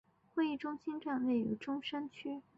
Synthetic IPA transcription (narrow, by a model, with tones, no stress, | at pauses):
xwe˥˧ɪi˥˩ʈ͡ʂʊ˥ŋɕi˥nʈ͡ʂa˥˧nwe˥˩ɪy˧˩ʈ͡ʂʊ˥ŋʂa˥nt͡ɕʰy˥